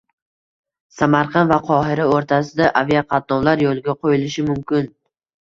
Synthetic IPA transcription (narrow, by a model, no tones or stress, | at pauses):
samaɾqʰɑnvaqʰɒɦɪɾaoɾt̪ʰasɪd̪aʔavijaqʰɑt̪̚nɒwlaɾjolˠɪɡʲaqʰojɪlɪʃɪmʊmkʲɪn